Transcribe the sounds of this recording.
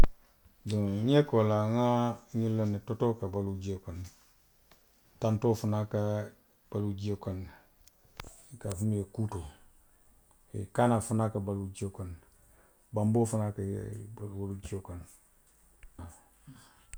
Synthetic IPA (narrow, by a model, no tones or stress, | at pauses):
doŋɲekolaŋaɲilanetotokabalud͡ʒekon | tantofunaka | b̥alud͡ʒokan | kafumijekuto | ḭkanafunakabalud͡ʒiokan | bambofunaka̰walud͡ʒiokan | a